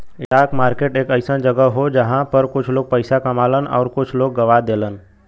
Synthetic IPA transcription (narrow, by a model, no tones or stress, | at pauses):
ɪʈaːkmaːɾkeːʈeːkɐɪsə̃nd͡ʒɐɡəɦod͡ʒɐɦãpɐɾkʊt͡ʃʰloːɡ̚pəɪsakɐmaːlənɔːɾkʊt͡ʃʰloːɡːɐʋad̪eːlən